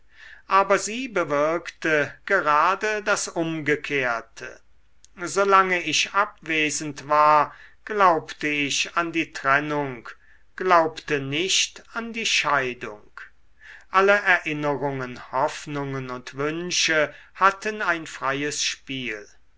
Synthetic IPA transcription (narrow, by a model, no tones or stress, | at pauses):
ʔaːbɐziːbəvɪɐktəɡ̥əʁaːdədasʊmɡəkʰeːɐtʰə̰ | zolaŋəɪʃʔapv̥eːzən̩tv̥aːɐɡ̥laʊptəɪʃandiːtʁ̥ɛnʊŋk | ɡ̥laʊptənɪʃtandiːʃaɪdʊ̰ŋk | ʔaləʔɛɐʔɪnəʁʊŋənhɔfnʊŋənʊntv̥ʏnʃəhatənaɪnfʁ̥ajəsʃpiːl